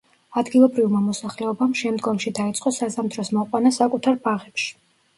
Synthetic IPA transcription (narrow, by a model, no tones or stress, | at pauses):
ad̪ɡilˠɔbɾivmamɔsaχlɛɔbamʃɛmd̪ɡɔmʃid̪ait̪sʼqʼɔsazamt̪ʰɾɔsmɔqʼwanasakʼut̪ʰaɾbaʁɛpʃi̥